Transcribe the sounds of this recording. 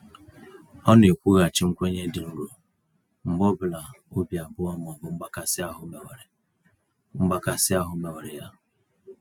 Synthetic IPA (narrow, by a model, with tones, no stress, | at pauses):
ɔ˦ne˨kʷu˦ɣa˨t͡ʃɪ˦ŋ͡m̩˦kʷe˦ɲe˦dɪ˨ŋ̩˦ɾo˨ | ŋ͡m̩˨ɡ͡bɔ˦bʊ˨la˨o˦bja˨bʊ˦ɔ˦m˨ɔ˨bʊ˨ŋ͡m̩˦ɡ͡ba˦ka˨sɪ˦a˦ɦʊ˦me˨wɾɪ˨ | ŋ͡m̩˦ɡ͡ba˦ka˨sɪ˦a˦ɦʊ˦me˨we˨ɾɪ˨ja˦